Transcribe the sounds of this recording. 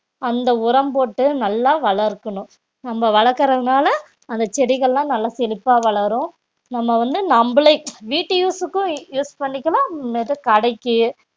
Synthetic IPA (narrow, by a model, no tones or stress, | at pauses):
ɐnd̪ɐʊɾɐmboːʈːɯnɐlːaːʋɐɭɐɾkːɐɳʊ̃ | nɐmːɐʋɐɭɐɾkːɐɾɐðɯnaːlɐ | ɐnd̪ɐt͡ʃɛɽɪɣɐɭlãːnɐlːaːsɛlɪpːaːʋɐɭɐɾʊ̃ | nɐmːɐʋɐnd̪ɯnɐmbɯɭɐɪʋiːʈːɯjuːsɯkːʊ̃juːspɐɳːɪkːɐlãːmeːt̪ɯkɐɽɐɪkːɯ